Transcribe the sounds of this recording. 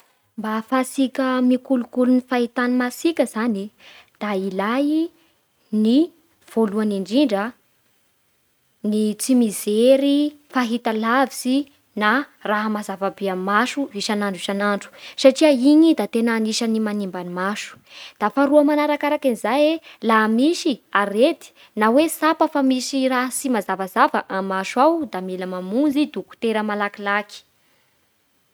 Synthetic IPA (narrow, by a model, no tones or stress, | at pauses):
mbafasikʲəmikulukulunifait̪animasikʲəzanid̪̥ailaji | ni | v̥oluaniɳɖ͡ʐiɳɖ͡ʐə | nit͡simizeɾifaɦit̪alavisi | naraɦamazavabeamaʃuiʃanaɳɖ͡ʐiʃanaɳɖ͡ʐu̥saʈ͡ʂiaiɲid̪at̪enaːniʃənimanimbanimaʃu̥d̪̥afaɾuəmanaɾakaɾakinizajelaɦmisiaɾed̪i̥ | nawesapəfamisiraɦsimazavazavəʔamaʃuawd̪amiləmamund͡zid̪uku̥t̪eɾəmalakilaki̥